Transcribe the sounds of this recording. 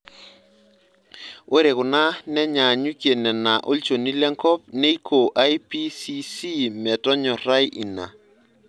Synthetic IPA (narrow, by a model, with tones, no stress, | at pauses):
o˦ɾe˨ɣʊ˨na˦nɛ˦ɲa˨ɲu˦kje˨nɛ˨na˨ʔo˦lt͡ʃo˨ni˦lɛ˦ŋkɔ˦p̚ne˦i˦kʰo˨ʔa˦jpi˦si˦si˦mɛ˨tɔ˦ɲɔ˨ɾa˦jʔi˨na̰˨